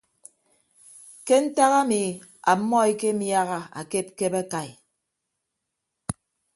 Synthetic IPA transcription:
ke˦n̩˦ta˦ɣa˦mi˨ | a˨˦mːɔ˦i˦ke˦m̩ja˦ɣa˦a̰˨ke˦p̚ke˦ba˦ka˨j

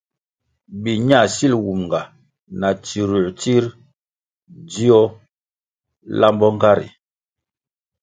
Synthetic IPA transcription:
bi˨ɲa˦˨si˦lwu˨mŋ˨ɡa˨ | na˨t͡ʃi˨ɾu˨ti˦ɾ | di˦ɔ˦ | la˦mbɔ˦ŋ˦ɡa˦ɾḭ˨

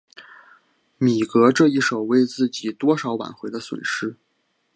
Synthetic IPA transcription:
mi˨˩kɤ˧˥ʈ͡ʂɤ˥˧i˥˩ʂo˨˩ʊwe˥˧ɪt͡sɹ̩˥˩t͡ɕi˨˩t̪wɔ˥ʂɑ˧˥ʊwa̰˨˩nxwe˧˥ɪd̪ə˧swə̰˨˩nʂɻ̩˥

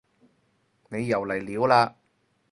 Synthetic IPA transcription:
ne˨˧jːɐ˨˩wlɐ˨˩jliː˨˥wlaː˧

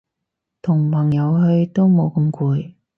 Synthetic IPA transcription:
t̪ʰʊ˨˩ŋpʰɐ˨˩ŋjɐ˨˧wɦɵ˧ɥt̪o˥wmo˨˧wkɐ˧mkuː˧j

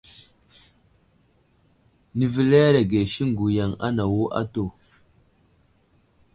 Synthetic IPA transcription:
ni˨vi˦le˦ɾe˨ɡe˨ʃi˦ŋ˦ɡu˨ja˨ŋa̰˦na˨wo˦ʔa̰˦to˨

